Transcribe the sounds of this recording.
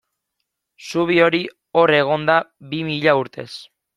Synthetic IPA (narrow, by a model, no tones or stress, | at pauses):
suβ̞io̞ɾi | o̞re̞ɣ̞o̞nd̪aβimiʎauɾt̪e̞̰s